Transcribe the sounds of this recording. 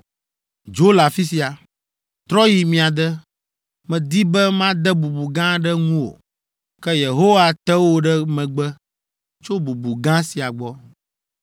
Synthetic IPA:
d͡ʒo˦la˨fi˦si˨a˨ | t̪ɾɔ˦ji˨mĩ˨a˨d̪ɛ˦ | mɛ̃˨d̪i˦bɛ˦mã˦d̪ɛ˦bu˨bu˨ɡã˦ɖɛ˦ŋũ˦o̰˨ | kɛ˦je˨ɦo˦wa˨t̪ɛ˦wo˦ɖɛ˦mɛ̃˨ɡ͡bɛ˦ | t͡ʃo˦bu˨bu˨ɡã˦si˨a˨ɡ͡bɔ˦

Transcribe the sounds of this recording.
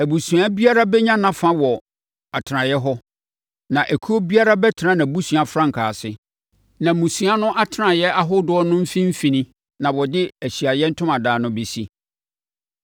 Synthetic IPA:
æ˨bu˨su˨a˦bi˦a˦ɾa˦bɛ˦ɲã˦nã˨fã˦wɔ˨ | a˨tʰɪ˨nã˨jɛ˦ɦɔ˦ | nã˨ʔæ˨kʰu˦o˦bi˦a˦ɾa˦bɛ˦tʰɪ˨nã˦nã˨bu˦sũ˨a˨fɾã˦ŋ̩˨kʰaː˨sɪ˦ | nã˨mũ˨sũ˨a˦nʊ̃˦ʔa˦tʰɪ˦nã˨jɛ˦ʔa˦ɦʊ˦dʊ˦ɔ˦nʊ̃˦m̩˦fĩ˦m̩˦fĩ˨nĩ˦ | nã˨wɔ˨dɪ˦æ˨ɕi˨a˨jɛ˦n̩˦tʰʊ̃˦mã˨daː˨nʊ̃˦be˨si˦

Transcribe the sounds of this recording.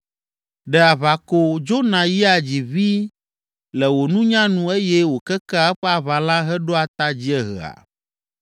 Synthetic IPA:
ɖɛ˨a˨βa˨ko˦d͡ʒo˦nã˨ji˦a˨d͡ʑi˨βi˦ | lɛ˨wo˨nũ˦ɲã˦nũ˨e˦jɛ˦wo˨kɛ˦ka˦ɛ˦ɸɛ˦a˨βa˨lã˦ɦɛ˦ɖo˦a˨t̪a˦d͡ʑi˦ɛ˦ɦɛ̰˨a̰˨

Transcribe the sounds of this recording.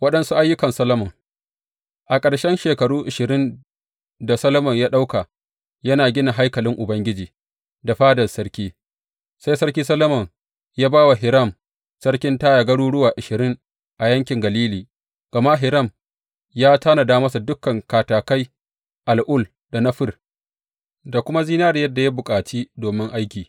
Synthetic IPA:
wɐ˦ɗɐ˦nsu˦ʔa˦jːʊ˦kɐ˨nsɐ˦lɐ˦mɔ˨ŋ | ʔa˨kʼɐ˨ɽʃɛ˦nʃeː˨kɐ˨ɽuː˦ʔɪ˨ʃɪ˨ɾɪ˦n | da˨sɐ˦lɐ˦mɐ˨ɲjaː˦ɗa˦wka˨ | jɐ˦naː˨ɡʲɪ˦na˨ɦa˦jkɐ˨lɪ˦ŋʔʊ˨bɐ˦ŋɡʲɪ˦d͡ʒiː˨ | da˨ɸaː˦dɐ˨lsɐ˦ɽkʲiː˦ | sa˦jsɐ˦ɽkʲiː˦sɐ˦lɐ˦mɔ˨ŋ | jaː˦baː˦wa˨ɦɪ˨ɾɐ˦˨m | sɐ˦ɽkʲɪ˦ntaː˦ja˨ɡɐ˦ɽuː˦ɽʊ˦waː˨ʔɪ˨ʃɪ˨ɾɪ˦ŋ | ʔa˨jɐ˦ŋkʲɪ˨ŋɡɐ˨liː˦liː˨ | ɡ̥ɐ˨ma˦ɦɪ˨ɾɐ˦˨m | jaː˦taː˦na˨daː˦mɐ˦sa˨dʊ˦kːɐ˨ŋkaː˨taː˨ka˦j | ʔa˨lʔʊ˦˨l | da˨nɐ˦ɸɪ˨r | da˨kʷʊ˦ma˦zi˦naː˦ɾjɐ˦dːa˨ja˦bʊ˨kʼaː˨t͡ʃiː˦doː˨mɪ˦ŋʔa˦jkʲiː˨

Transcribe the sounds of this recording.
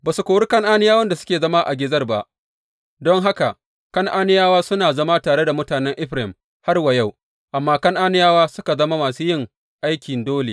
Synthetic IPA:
baː˨su˨kʷoː˨wɽɪ˦kɐ˦ŋʔaː˦nɪ˦jaː˦wɐ˦nda˨sʊ̥˦kʲeː˨zɐ˦ma˦ʔa̰˨ɡʲɪ˦zɐ˦rba˦ʔ | dɔ˦ŋɦa˦ka˨ | kɐ˦ŋʔaː˦nɪ˦jaː˦waː˦sʊ˦naː˨zɐ˦ma˦taː˨ɽe˦da˨mʊ˦taː˨nɛ˦ŋʔɪ˦ɸɾɪ˨m | ha˦rwɐ˨ja˦˨w | ʔa˨mːaː˦kɐ˦ŋʔaː˦nɪ˦jaː˦waː˦sʊ˦ka˨zɐ˦ma˦maː˨suː˦jɪ˦ŋ | ʔa˦jkʲɪ˨ndoː˦lḛ˨

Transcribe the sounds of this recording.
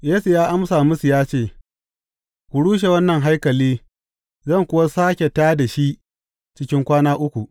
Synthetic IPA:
jeː˦su˨jaː˦ʔa˦msaː˨mʊ˦su˨jaː˦t͡ʃeː˦˨ | kʷu˨ɽuː˦ʃ̬e˨wɐ˦nːɐ˨ŋɦa˦jkɐ˨liː˦ | zɐ˦˨ŋkʷʊ˦wa˦saː˦kʲe˨taː˦da˨ʃi˦ | t͡ʃɪ˦kʲɪ˦ŋkʷaː˦naː˦ʔʊ˦kʷu˨ʔ

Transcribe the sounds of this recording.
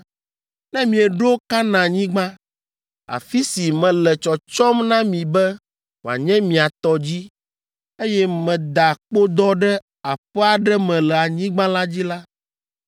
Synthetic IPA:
nɛ̃˦mĩ˨ɛ˨ɖo˦ka˦nã˨ɲĩ˦ɡ͡bã˦ | a̰˨fi˦si˨mɛ̃˨lɛ˨t͡ʃɔ˨t͡ʃɔ˦mnã˦mĩ˨bɛ˦ | wo˨a̰˨ɲɛ̃˦mĩ˨a˨t̪ɔ˨d͡ʑi˦ | e˦jɛ˦mɛ̃˨d̪a˨k͡po˦d̪ɔ˦ɖɛ˦ | a˨ɸɛ˦a˨ɖɛ˦mɛ̃˨lɛ˨a˨ɲĩ˦ɡ͡bã˦la˦d͡ʑi˦la˦

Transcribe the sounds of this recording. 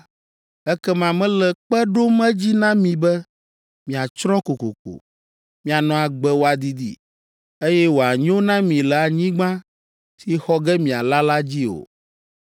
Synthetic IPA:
ɛ˦kɛ˦mã˨mɛ̃˦lɛ˨k͡pɛ˦ɖo˦mɛ˦d͡ʑi˦nã˦mĩ˨bɛ˦ | mĩ˨a˨t͡ʃɾɔ̃˦ko˨ko̰˨ko̰˨ | mĩ˨a˨nɔ̃˨a˨ɡ͡bɛ˨wo˨a˨d̪i˦d̪ḭ˦ | e˦jɛ˦wo˨a˨ɲ˦o˦nã˦mĩ˨lɛ˨a˨ɲĩ˦ɡ͡bã˦ | t̪i˦xɔ˦ɡɛ˦mĩ˨a˨la˦la˦d͡ʑi˦o̰˨

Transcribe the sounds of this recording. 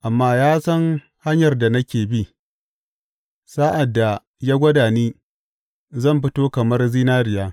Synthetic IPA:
ʔa˨mːaː˦jaː˦sɐ˦ŋ | ha˦ɲjɐ˨rda˨nɐ˦kʲeː˨bi˦ | sa˦ʔa˨dːa˨ | jaː˦ɡʷɐ˦daː˨niː˦ | zɐ˦˨mɸɪ˦toː˦kɐ˨mɐ˦rzi˦naː˦ɾɪ˨jaː˦

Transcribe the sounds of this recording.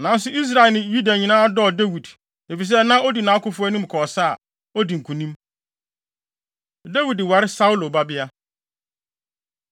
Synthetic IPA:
nã˨˦n˦s̬ʊ˦i˦s̬ɾa˨ɛ˨nɪ̃˨ju˦da˨ɲĩ˨nãː˦dɔ˦˨de˦wi˨d | e˨fi˨s̬ɛ˦nã˦o˦di˨nã˨˦kʊ˦fʊ˦æ˦nũ˦m˨kʰɔ˨sa˦˨ | ɔ˦di˨ŋ̩˨kʰũ˨nĩ˦m | dɛ˦wi˨dwa˨ɾɪ˦sa˦wʊ˦lo˨ba˦bɪ˦a˦

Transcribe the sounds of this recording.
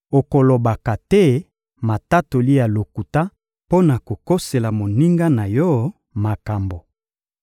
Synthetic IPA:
o˨ko˨lo˨ba˨ka˨tɛ˦ | ma˨ta˦to˨li˦ja˨lo˨ku˨ta˦ | po˦na˨ko˨ko˦se˨la˨mo˨ni˦ŋɡa˦na˨jɔ˦ | ma˨ka˨mbo˨

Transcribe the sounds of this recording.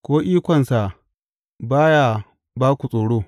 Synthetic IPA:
kʷoː˦ʔiː˦kʷɔ˨nsa˨ʔ | baː˦ja˨ | baː˦kʷu˨sʼoː˨ɽoː˦

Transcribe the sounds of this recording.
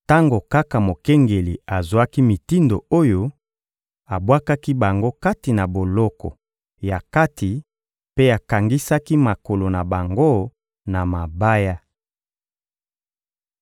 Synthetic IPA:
ta˦ŋɡo˨ka˦ka˨mo˨kɛ˦ŋɡe˨li˨a˨za˦ki˦mi˨ti˦ndo˨o˦jo˦ | a˨bwa˦ka˦ki˦ba˨ŋɡo˦ka˦ti˨na˨bo˨lɔ˦kɔ̰˨ | ja˨ka˦ti˨ | pe˦a˨ka˨ŋɡi˦sa˦ki˦ma˨ko˨lo˨na˨ba˨ŋɡo˦ | na˨ma˨ba˦ja˦

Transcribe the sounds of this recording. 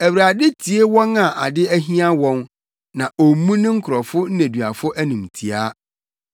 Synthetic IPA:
æ˨wɾa˨dɪ˦tʰi˨e˦wɔ̃˦nã˨ʔa˨dɪ˦æ˦ɦĩ˦ã˦wɔ̃˦n | nã˨ʔo˨˦mũ˦nɪ̃˦ŋ̩˦kʰʊ˨ɾɔ˨fʊ˦n̩˦næ̃˨dɥa˨fʊ˦ʔæ˦nũ˨mtʰi˨a˦

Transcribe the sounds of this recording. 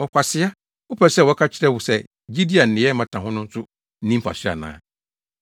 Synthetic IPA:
ɔ˨kʷʰa˨sɪ˦a˦ | ʊ˦pʰɛ˨sɛ˦wɔ˨˦kʰa˦t͡ɕʰɪ˦ɾɛ˦wu˨sɛ˦ | d͡ʑi˦di˦a˨n̩˨ɪ̃˨ɛ˦mã˦tʰã˨ɦʊ̃˦nʊ̃˦n̩˦sʊ˦ | n̩˦nĩ˦m̩˦pʰa̰˨sɪ˦a̰˨nã̰ː˨˦

